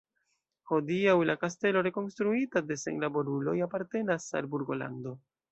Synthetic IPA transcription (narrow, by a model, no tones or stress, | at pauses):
ho̞diawlakaste̞lo̞ɾe̞ko̞nstɾuitade̞sḛnlabo̞ɾulo̞japaɾte̞nasa̰lbuɾɡo̞la̰ndo̞